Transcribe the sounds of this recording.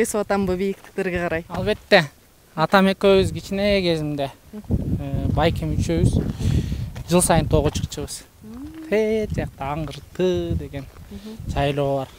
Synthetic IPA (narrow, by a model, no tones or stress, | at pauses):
beswat̪ɑmbubijik̚t̪ɪ̥k̚t̪e̞ɾɡʲeqɑɾɑjɑlˠβe̞t̪ːe̞ | ɑt̪ɑme̞køβyzɡit͡ʃineɡe̞zimd̪e̞ | bɑjkemyt͡ʃøβyz̥ | d͡ʒɯlˠsɑjɯnt̪ʰoʁut͡ʃʰɯ̥qt͡ʃɯβɯz̥ | t̪ʰet̪d͡ʒejɑq̚t̪ɑɑɴqɯɾt̪ɯd̪e̞ɡe̞nʃɑjlˠo̞ːβɑɾ